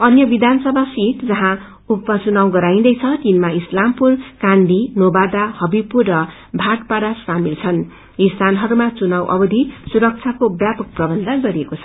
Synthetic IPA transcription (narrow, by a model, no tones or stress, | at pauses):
ʌnjʌbid̪ʱansʌbʱasiʈd͡zʌɦã | upːʌt͡sunawɡʌɾaĩd̪ʌjt͡sʰʌt͡sinmaislampurkand̪ʱinobad̪ahʌbipurːʌ | bʱaʈpaɾaskamilt͡sʰʌn | ist̪ʰanɦʌɾumat͡sunawʔʌ̰bʌd̪ʱisuɾʌk̚t͡sʰjakobjapʌk̚prʌbʌnd̪ʱaɡʌɾiekot͡sʰʌ